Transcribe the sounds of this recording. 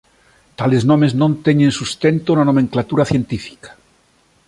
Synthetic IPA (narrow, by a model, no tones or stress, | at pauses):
t̪aleznõmeznõnt̪eɲẽnsust̪ent̪onanomẽŋklat̪uɾaθjent̪ifi̥kḁ